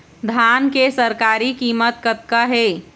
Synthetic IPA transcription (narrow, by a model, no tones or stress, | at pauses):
d̪ʱankesəɾkaɾikimət̪̚kət̪̚kəɦe